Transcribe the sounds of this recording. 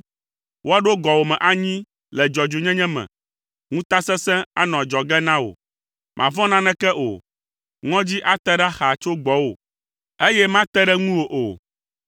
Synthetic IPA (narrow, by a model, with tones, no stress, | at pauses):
wo˦a˦ɖo˦ɡɔ˨wo˨mɛ̃˨ʔa˨ɲĩ˦ | lɛ˨d͡ʒɔ˨d͡ʒo˨ɲɛ̃˦ɲɛ̃˦mɛ̰̃˨ | ŋũ˦t̪a˦sɛ̃˦sɛ̃˦a̰˦nɔ̃˨d͡ʒɔ˨ɡɛ˦nã˦wo̰˨ | mʔã̰˨vɔ̃˦nã˦nɛ̃˦kɛ˦ʔo̰˨ | ŋɔ̃˦d͡ʑi˦ʔa˦t̪ɛ˦ɖa˦xa˨t͡ʃo˦ɡ͡bɔ˦wo̰˨ | e˦jɛ˦mã˦t̪ɛ˦ɖɛ˦ŋũ˦wo˨ʔo˨